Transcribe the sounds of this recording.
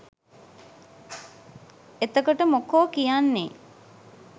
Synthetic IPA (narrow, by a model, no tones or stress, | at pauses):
et̪əkoʈəmokoːkijanːe